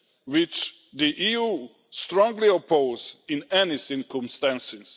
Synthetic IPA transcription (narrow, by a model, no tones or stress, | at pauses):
wɪt͡ʃ | d̪iʔijuː | stɾɔ̃ŋɡliɔpʰoʊzɪ̃nɛnisɪkɔ̃mst̪ãnsɪs